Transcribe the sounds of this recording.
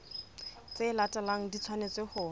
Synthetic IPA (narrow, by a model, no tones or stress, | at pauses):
t͡selatʼalaŋ̩dit͡sʰwanet͡sehʊː